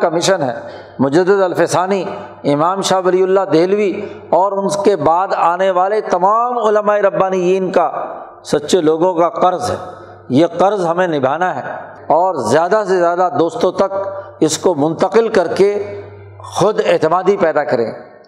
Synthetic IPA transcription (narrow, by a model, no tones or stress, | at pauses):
kamɪʃənɦɛ̰ | mʊd͡ʒəd̪ːɪd̪ɐlfɪsaːni | ɪmaːmʃaːʋɐliːʊlːad̪eːlʋi | ɔːɾʊnskebaːd̪aːneʋaːlet̪ɐmaːmʊləmaːeɾɐbːaːnijiːnka | sɐtːʃeloːɡõkaqɐɾzɦɛ̰ː | jeːqɐɾzɦɐmẽnɪbʱaːnaɦɛ | ɔːɾzjaːd̪asezjaːd̪ad̪oːst̪õt̪ɐk̚ɪskomʊ̃nt̪əqɪlkɐɾke | xʊd̪ɪɦt̪ɪmaːd̪ipɛːd̪akɐɾḛ̃ː